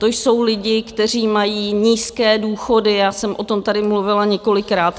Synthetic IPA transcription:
t̪o̞jso̞wlɪɟɪkt̪ɛr̝iːmajiːɲiːskɛːduːxo̞dɪjaːsɛmʔo̞t̪o̞mt̪adɪmluvɪlaɲɛko̞lɪkɾaːt̪

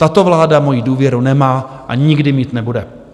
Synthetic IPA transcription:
t̪at̪o̞vlaːdamo̞jiduːvjɛɾunɛmaː | ʔaɲɪɡdɪmiːt̪nɛbudɛ

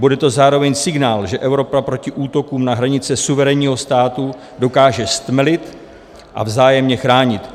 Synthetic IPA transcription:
budɛt̪o̞zaːɾo̞vɛɲsɪɡnaːlʒɛʔɛvɾo̞papɾo̞cɪʔuːt̪o̞kuːmnaɦɾaɲɪt͡sɛsuvɛɾɛɲiːɦo̞st̪aːt̪u | do̞kaːʒɛst̪mɛlɪt̪ | ʔa̰vzaːjɛmɲɛxɾaːɲɪt̪

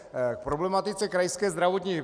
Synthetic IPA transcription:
k̚pɾoblɛmat̪ɪt͡sɛkɾajskɛːzd̪ɾavot̪ɲiː

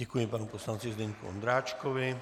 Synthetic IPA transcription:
ɛkujɛmpaːnɔupɔslant͡sizd̪ɛɲkṵɔ̰nd̪ɾaːt͡ʃkɔʋi

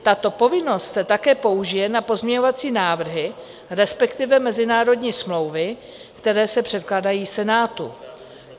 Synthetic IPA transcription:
t̪at̪o̞po̞vɪno̞st̪sɛt̪akɛːpo̞uʒɪjɛnapo̞zmɲɛɲo̞vat͡siːnaːvr̩ɦɪ | ɾɛspɛkt̪ɪvɛmɛzɪnaːɾo̞dɲiːsmlo̞wvɪ | kt̪ɛɾɛːsɛpr̝̥ɛt̪̚klaːdajiːsɛnaːt̪ṵ

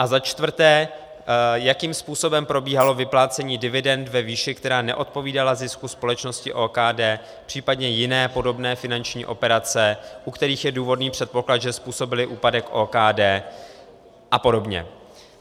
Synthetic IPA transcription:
ʔazat͡ʃt̪vr̩t̪ɛː | jakiːmspuːso̞bɛmpɾo̞biːɦalo̞vɪplaːt͡sɛɲiːdɪvɪdɛnd̪vɛviːʃɪkt̪ɛɾaːnɛ̰ʔo̞t̪̚po̞viːdalazɪskuspo̞lɛt͡ʃno̞scɪʔoːkaːdɛː | pr̝̥iːpadɲɛjɪnɛːpo̞do̞bnɛːfɪnant͡ʃɲḭːʔo̞pɛɾat͡sɛʔukt̪ɛɾiːxjɛduːvo̞dniːpr̥ɛt̪̚po̞klat̪ʒɛspuːso̞bɪlɪʔuːpadɛkʔoːkaːdɛː | ʔapo̞do̞bɲɛ̰

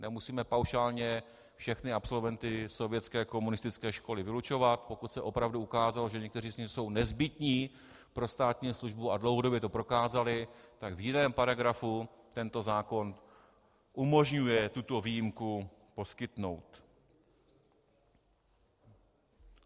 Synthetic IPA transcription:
nɛmusiːmɛpawʃaːlɲɛ | fʃɛxnɪapso̞lvɛnt̪ɪso̞vjɛt͡skɛːko̞munɪst̪ɪt͡skɛːʃko̞lɪvɪlut͡ʃo̞vat̪po̞kut̪sɛʔo̞pɾavduukaːzalo̞ʒɛɲɛk̚t̪ɛr̝iːzɲɪso̞wnɛzbɪt̪ɲiː | pɾo̞st̪aːt̪ɲiːsluʒbuadlowɦodo̞bjɛt̪o̞pɾo̞kaːzalɪt̪aɡvjɪnɛːmpaɾaɡɾafu | t̪ɛnt̪o̞zaːko̞n | ʔumo̞ʒɲujɛt̪ut̪o̞viːjɪmkupo̞skɪt̪no̞wt̪

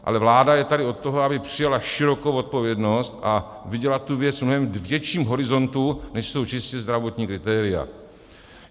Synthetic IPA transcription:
ʔa̰lɛvlaːdajɛt̪adɪo̞t̪̚ːoɦoabɪpr̝̥ɪjalaʃɪɾo̞kowot̪̚po̞vjɛdno̞st̪a | vɪɟɛlat̪̚tːuvjɛt͡svmnoɦɛmdvjɛt͡ʃiːmɦo̞ɾɪzo̞nt̪unɛʃso̞wt͡ʃɪscɛzd̪ɾavo̞t̪ɲiːkɾɪt̪ɛːɾɪja̰

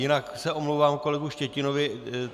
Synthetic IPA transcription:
jɪnaksɛomlowvaːmko̞lɛɡuʃcɛcɪnovɪ

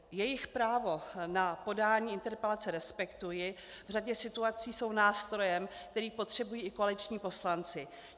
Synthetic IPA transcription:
jɛjɪxpɾaːvo̞napo̞daːɲiːɪnt̪ɛɾpɛlat͡sɛɾɛspɛkt̪ujɪ | vr̝aɟɛsɪt̪uat͡siːso̞wnaːst̪ɾo̞jɛmk̚t̪ɛɾiːpo̞t̪r̝̥ɛbujiːɪko̞alɪt͡ʃɲiːpo̞slant͡sɪ

